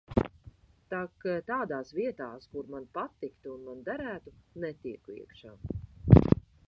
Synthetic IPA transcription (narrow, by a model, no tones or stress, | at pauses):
t̪akt̪aːd̪aːsviɛt̪aːskuɾmanpat̪ːikt̪uunmand̪aɾæːt̪unɛt̪iɛkuḭɛkʃaː